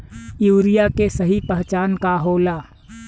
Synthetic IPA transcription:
juːɾijakesəɦipəɦt͡ʃaːnkaɦoːlaː

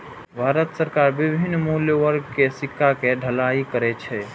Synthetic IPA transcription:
bʱaɾət̪səɾkaɾbibʱinːmuljəwəɾɡkesɪkʰːakeɖʱəlaikəɾɛt͡ʃʰɛ

